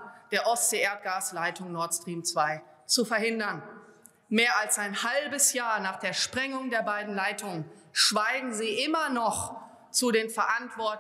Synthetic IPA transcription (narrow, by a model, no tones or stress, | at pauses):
d̥eːɐʔɔseːeːɐt̚ɡ̥aːslaɪtʊŋnɔɐtstʁ̥iːmt͡sv̥aɪ | t͡sufɐhɪndɐn | meːɐalsaɪnhalbəsjaːɐnaːχd̥eːɐʃpʁ̥ɛŋʊŋdeːɐbaɪdn̩laɪtʰʊŋənʃv̥aɪɡŋ̩ziːʔɪmɐnɔχ | t͡sudeːnfɛɐʔantv̥ɔɐt